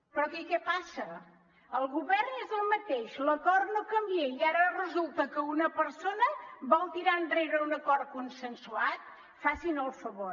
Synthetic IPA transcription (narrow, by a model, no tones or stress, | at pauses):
pɾɔkɛkɛpasə | əlˠɣuβɛrnezəlˠmət̪eʃləkɔrnokəmbieiaɾərəzulˠt̪əkəunəpəɾsonəbɔlˠt̪iɾaənd̪reβəunəkɔr̚kunsənsuat̪̚ | fasinəlˠfəβo